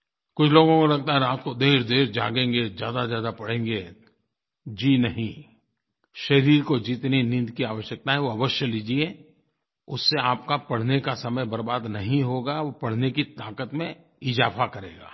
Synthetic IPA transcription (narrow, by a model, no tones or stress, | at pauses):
kʊt͡ʃʰloːɡõkolɐɡ̚t̪aɦɛɾaːt̪kod̪eːɾd̪eːɾd͡ʒa̰ːɡẽːŋɡezjaːd̪azjaːd̪apɐɽ̤ẽːŋɡe | d͡ʒinɐɦĩ | ʃɐɾiːɾkod͡ʒit̪ninɪ̃nd̪kiaːʋəʃjək̚t̪aɦɛʋoɐʋəʃjəliːd͡ʒie | ʊsːeaːp̚kapɐɽ̤nekasɐməjbɐɾbaːd̪nɐɦĩɦoːɡaʋopɐɽ̤nekit̪aːkət̪mẽ | ɪzaːfakɐɾḛːɡa̰ː